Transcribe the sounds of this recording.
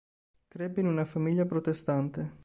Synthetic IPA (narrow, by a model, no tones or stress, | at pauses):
kɾebeinunafamiʎːapɾot̪est̪ant̪e